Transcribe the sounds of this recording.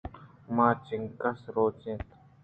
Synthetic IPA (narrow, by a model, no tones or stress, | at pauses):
maːt͡ʃɪ̃ŋkəsɾoːt͡ʃẽːt̪